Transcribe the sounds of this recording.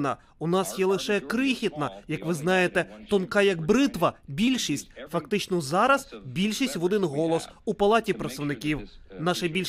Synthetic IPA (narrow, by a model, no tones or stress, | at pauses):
nɐ̰ | unɑsjɛlˠɪʃɛkɾɪxʲit̪nɐjɐkʋɪznɑjet̪ɛt̪ɔnkɑjɐkbɾɪt̪ʋɐbʲilʲʃisʲtʲfɐkt̪ɪt͡ʃnɔzɑɾɐz̥bʲilʲʃisʲtʲʋɔd̪ɪnɦɔlˠɔsupɐlˠɑtʲipɾɐt̪sɐwnɪkʲiwnɑʃɛbʲilʲ